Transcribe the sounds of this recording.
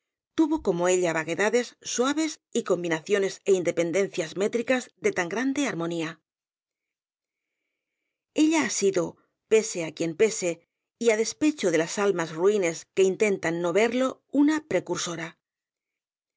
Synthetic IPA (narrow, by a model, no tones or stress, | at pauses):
t̪uβo̞ko̞mo̞e̞ʎaβaɣe̞ðaðe̞sːwaβe̞siko̞mbinaθjo̞ne̞se̞ind̪epe̞nd̪e̞nθjazme̞t̪ɾikazðe̞t̪aŋɡɾand̪e̞aɾmo̞nia | e̞ʎaːsiðo̞ | pe̞se̞akje̞npe̞se̞ | iaðe̞spe̞t͡ʃoðe̞lasalmazruine̞ske̞int̪e̞nt̪anːo̞βe̞ɾlo̞unapɾe̞kuɾso̞ɾa